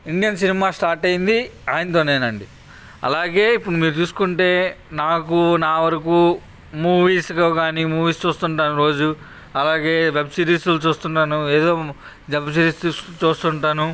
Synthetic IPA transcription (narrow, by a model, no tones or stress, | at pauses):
iɳɖijɐnsinimaːsʈaːɾʈɐjind̪iaːjnt̪o̞ːne̞ːnɐɳɖi | ɐ̰laːɡe̞ːipːuɽumiːɾut͡ʃuːsu̥kuɳʈe̞ːnaːkunaːʋɐɾɐkuː | muːʋiːskɐkaːnimuːʋiːst͡ʃuːst̪uɳʈaːnuɾo̞ːd͡ʒu | ɐlaːɡe̞ːʋebsiːɾiːsulut͡ʃuːst̪uɳʈaːnue̞ːd̪o̞ː | d͡ʒɐbsiɾiːsut͡ʃuːst̪uɳʈaːnu